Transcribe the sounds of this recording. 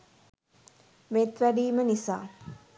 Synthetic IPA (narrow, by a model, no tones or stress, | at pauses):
met̪ʋæɖiːmənisa̰ː